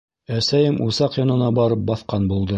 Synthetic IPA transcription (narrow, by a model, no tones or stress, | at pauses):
æsæjɘmʔusɑqjɑnɤ̆nɑbɑɾɤp̚bɑθqɑnbulˠd̪ɤ